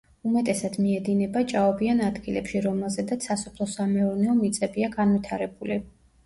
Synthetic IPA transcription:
umɛt̪ʼɛsad̪̥miɛd̪inɛbat͡ʃʼaɔbianad̪ɡilɛpʃiɾɔmɛlˠzɛd̪at̪sʰasɔpʰlˠɔsamɛɔɾnɛɔmit̪sʼɛbiaɡanvit̪ʰaɾɛbuli

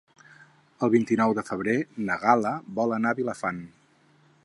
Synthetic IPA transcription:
əlˠβint̪inɔwðəfəβ̞ɾenəɣaləβɔlənaβiləfan

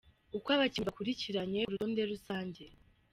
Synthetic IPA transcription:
ukwaβaciːmbakuɾiciɾaɲe̞uɾutoːnde̞ɾusaːɲɟe̞

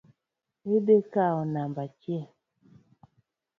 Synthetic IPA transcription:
edekaɔnambat͡ʃe

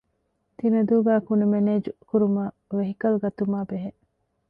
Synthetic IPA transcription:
t̪inɐd̪uːɡæːkunumeneːd͡ʒukuɾumaː | ʋeɦikɐluɡɐt̪umaːbeɦe

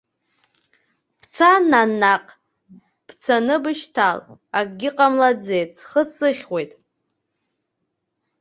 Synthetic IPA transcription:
pʰt͡sʰananːaqʼ | b̥ʰt͡sʰanɨbɨʃtʰa̰lakʼɡʲɪqʼamlad͡zejt͡sʰχəsɨχʲwe̞jtʼ

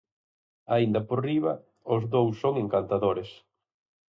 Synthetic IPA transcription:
aind̪ɐporiβɐ | ʊzðowsːoŋeŋkant̪aðoɾes

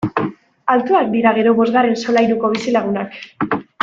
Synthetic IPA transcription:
alt̪uak̚d̪iɾaɣ̞e̞ɾo̞βo̞zɣare̞nso̞lajɾuko̞β̞isilaɣ̞unak

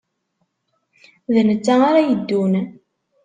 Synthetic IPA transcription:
ðənət͡sːaaɾajəd̪ːun

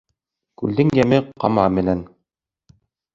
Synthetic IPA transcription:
kʉld̪ɘŋjæmɘqɑ̰mɑmɘ̆næn

